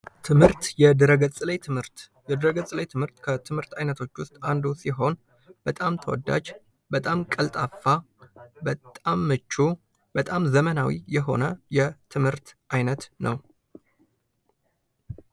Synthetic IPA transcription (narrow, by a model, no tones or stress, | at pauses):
t̪ʰɨmhɨɾt̪jɛd̪ɨɾəɡət͡sʼlejt̪ʰɨɨɾt̪ | jɛd̪ɨɾəɡət͡sʼləjt̪ʰɨmhɨɾt̪kʰət̪ʰɨmhɨɾt̪ʰajnət̪ʰo̞t͡ʃːwʊst̪ʼand̪usiɦo̞n | b̥ət̪ʼamt̪ʰəwɔ̰d̪ːa̰d͡ʒ | bət̪ʼamkʼəlt̪ʼafːa | bət̪ʼamːɨt͡ʃːu | b̥ət̪ʼamzəmənawḭjɛɦo̞̰nəjɛt̪ʰɨmhɨɾt̪ʔajnət̪nʔəw